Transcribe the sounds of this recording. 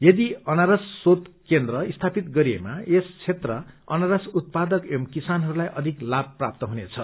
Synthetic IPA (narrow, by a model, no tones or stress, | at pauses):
jʌd̪iʌnaɾʌsːot̪kend̪rʌist̪ʰapit̪ɡʌɾiemaest͡sʰet̪rʌʌnaɾʌsut̪̚pad̪ʌkemkisanɦʌɾulajʔʌd̪ʱiklab̚pːra̰p̚t̪ʌɦunet͡sʰʌ